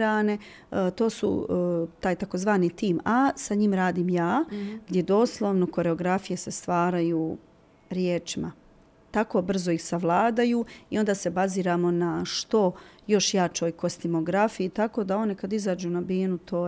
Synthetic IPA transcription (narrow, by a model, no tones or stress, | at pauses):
ɾaːne̞ | t̪o̞ːsṵt̪aːjt̪ako̞zʋaːnit̪iːmasaɲimɾaːd̪iːmjaːɡd̪jed̪o̞ːslˠoʋno̞ko̞ɾe̞o̞ɡɾafijesest̪ʋaːɾajuː | ɾjeːt͡ʃima̰ | t̪ako̞ːbr̩zoixsaʋlˠaːd̪ajuːḭo̞nd̪aːse̞baziːɾaːmo̞naʃt̪o̞jo̞ʃjaːt͡ʃo̞ːjko̞st̪imo̞ɡɾafijit̪ako̞d̪ao̞nekad̪izaːd͡ʒuːnabiːnut̪ʰoː